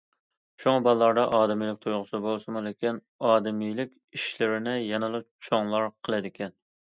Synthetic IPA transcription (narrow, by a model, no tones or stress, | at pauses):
ʃuŋɑbɑlˠlˠɑɾd̪ɑʔɑːd̪ɪmijlɪk̚ʲt̪ʰujʁʊsɨbolˠsɨmulˠɪkʲin | ɑːd̪ɪmijlɪkʲiʃlɪɾɪnɪjɛnɨlˠɨ | t͡ʃʰoŋlˠɑɾqʰəlˠɨd̪ɪkʲʰɛn